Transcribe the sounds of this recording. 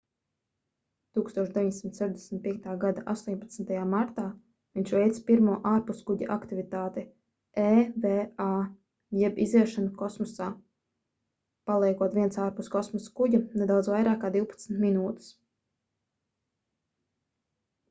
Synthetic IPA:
t̪uːkst̪uɔʃd̪eviɲd̪ʲesimt̪sɛʒd̪esm̩ʲt̪̚pʲiɛk̚t̪aːɡad̪aʔa̰st̪uɔɲʲpat̪snt̪ajaːmaɾt̪aː | viɲt͡ʃvɛjt̪spiɾmuːʔaːɾpuskuɟa̰ʔakt̪ivit̪aːt̪ɛ | eːvɛːaː | jɛbḭzviɛʃanukɔsmɔsaː | palˠɛjkuɔt̪viɛnsaːɾpuskɔsmɔskuɟunɛd̪awd̪zvajɾaːkːaːd̪iwpḁt̪snt̪minuːt̪u̥s

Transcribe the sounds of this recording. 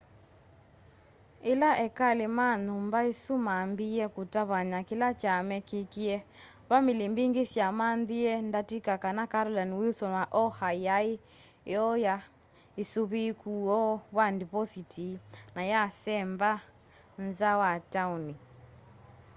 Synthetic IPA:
elaʔɛkalemanumbaesumambiɛkutaβaɲakilat͡ʃamɛkikiɛ | βamilimbiŋɡisjamanðiɛndatikakanakaɾɔlanwilsɔnwaʔɔhajai | ɔja | isuβikuɔβwandipɔsitʰinajasɛmba | nzawatauni

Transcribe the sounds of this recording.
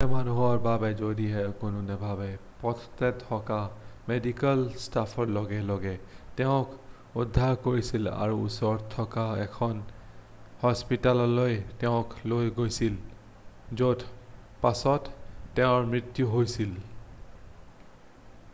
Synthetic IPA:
ɛmanuɦɔɹbabɛzodiɛkʊnʊnɛbʱabɛpɔtʰtɛtʰːɔkamedikalstapʰɔɹlɔɡɛlɔɡɛtɛʊ̃k | udʱːaɹkoɹisila̰ɹuṵsɔɹɔtʰːɔkaɛkʰɔn | hɔspitalɔlojtɛʊ̃klojɡojsil | zodpasɔtːɛʊ̃ɹmɹit̪juɦojsil

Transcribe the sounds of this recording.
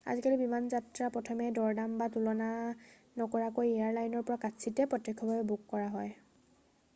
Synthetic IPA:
a̰zikalibimanzatɹapɹɔtʰɔmɛdɔɹdambatulɔna | nɔkɔɹakojeaɹlajnɔɹpɔɹakatsʰitɛpɹɔtːɛkʰːɔbaɛbukːɔɹaɦɔj

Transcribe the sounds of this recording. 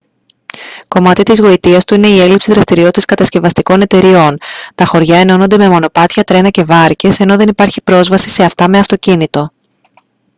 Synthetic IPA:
ko̞mɐt̪it̪izɣo̞it̪iɐst̪uine̞ie̞lipsiðɾɐst̪iɾio̞t̪it̪iskɐt̪ɐsce̞vɐst̪iko̞ne̞t̪e̞ɾio̞nt̪ɐxo̞ɾʝɐe̞no̞no̞nd̪e̞me̞mo̞no̞pɐt̪çɐt̪ɾe̞nɐce̞vɐɾce̞se̞no̞ðe̞nipɐɾçipɾo̞zvɐsi̥se̞ɐft̪ɐme̞ɐft̪o̞cinit̪o̞

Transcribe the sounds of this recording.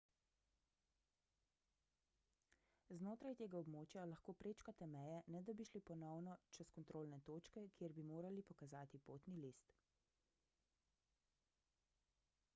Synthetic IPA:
znoːt̪ɾajt̪eːɡaɔbmoːt͡ʃjalaxkoːpɾeːt͡ʃkat̪ɛmɛjɛnɛd̪abiʃlipɔnɔwnɔt͡ʃɛskɔnt̪ɾoːlnɛt̪oːt͡ʃkɛkjeɾbimoːɾalipɔkazaːt̪ipoːt̪nilist̪

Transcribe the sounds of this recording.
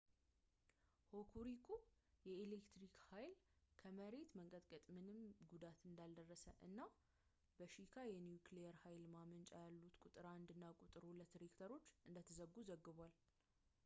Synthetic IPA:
hokʰuɾikʰujɛelekt̪ɾikhajlkʰəməɾe̞t̪məŋkʼət̪ʼkʼət̪ʼmɨnɨmɡud̪at̪ɨnd̪ald̪ərːəsəʔɨ̰nːa | bəʃikʰajɛnjukʰlejɛɾhajlmamənt͡ʃʼajalːut̪kʼut̪ʼɨɾaɨnd̪ɨnːakʼut̪ʼɨɾulət̪ɾekt̪ʰəɾo̞t͡ʃːʔɨnd̪ət̪ʰəzəɡːuzəɡːɨβʷal

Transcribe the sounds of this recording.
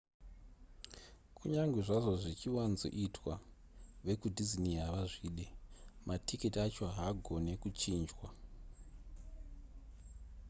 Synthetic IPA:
kuɲaŋɡweʐaʐo̞ʐit͡ʃiwanzo̰ʔitʰwaʋe̞kudʱiziniɦaʋaʐiːɗematʰiketiat͡ʃo̞ɦaɡʱo̞ne̞kut͡ʃiːnd͡ʒwa

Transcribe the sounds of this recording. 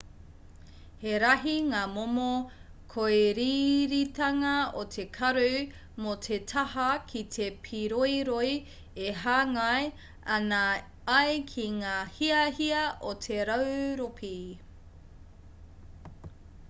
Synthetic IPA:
heɾɐɦiŋaːmomokʰoeɾiːɾitɐŋɐotʰekʰɐɾu | motʰetʰɐhɐkʰit̪ʰepʰiɾojɾoj | eɦaːŋɐj | ɐnɐː | jkʰiŋaːhiɐhiɐʔotʰe̞ɾɐwɾopʰi

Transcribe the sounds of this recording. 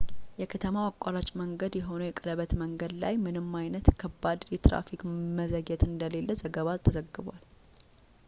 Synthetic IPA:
jɛkʰət̪ʰəmawakʼːalat͡ʃʼməŋɡəd̪jɛɦo̞nəwjɛkʼələβət̪məŋɡəd̪la̰jmɨnɨmːajnət̪kʰəbːad̪jɛt̪ɾa̰fikməzəɡɛt̪ɨnd̪əle̞lːəzəɡəβat̪ʰːəzəɡːɨβwal

